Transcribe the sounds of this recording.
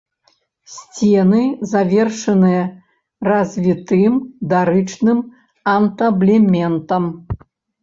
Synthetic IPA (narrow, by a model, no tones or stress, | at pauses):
sʲt͡sʲɛnɨzavʲɛrʂɐnɨjɐ | rɐzʲvʲit̪ɨmd̪aɾɨt͡ʂnɨm | ɐnt̪ɐblʲɛmʲɛnt̪ɐm